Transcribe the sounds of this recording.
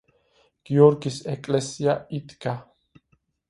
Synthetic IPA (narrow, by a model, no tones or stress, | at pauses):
ɡ̥joɾkʼisekʼlesjait̪ʼka